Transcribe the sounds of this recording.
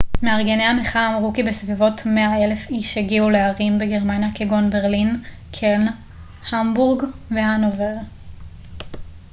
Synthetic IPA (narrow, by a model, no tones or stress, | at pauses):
meaʁɡeneameχaːmʁukibesvivo̞tme̞ae̞le̞fiʃheɡiule̞aʁimbe̞ɡeʁmanjakeɡo̞nbe̞ʁlin | kʰeln | hambuʁɡvehanoveʁ